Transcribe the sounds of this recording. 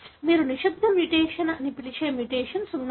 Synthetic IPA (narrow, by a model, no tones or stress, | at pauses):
miːɾuniʃud̪ʱɐmjuʈeːʃɐnɐɐnipiliʃʰɐːɐmjuʈeːʃɐnsunː